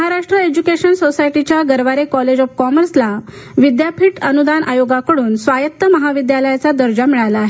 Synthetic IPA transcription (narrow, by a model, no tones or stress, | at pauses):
ɦaɾaʂʈɾəed͡ʑukeɕənsosajʈit͡ɕjaɡəɾʋaɾekɔled͡ʑɔfkɔməɾsla | ʋid̪japʰiʈənud̪anʔa̰joɡakəɽuːnsʋajətt̪ːəməɦaʋid̪jaləjat͡sad̪əɾd͡ʑamiɭalaːɦe